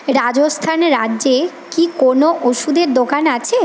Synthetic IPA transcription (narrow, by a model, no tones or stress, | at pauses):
ɾad͡ʑost̪ʰanɾadːd͡ʑe | kikonoʔoʃud̪eɾd̪okanat͡ɕʰe